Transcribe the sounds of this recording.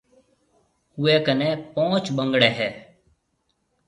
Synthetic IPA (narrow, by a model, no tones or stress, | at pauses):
hʊeːkəneːpõːt͡ʃbəŋɡɽeːɦɛː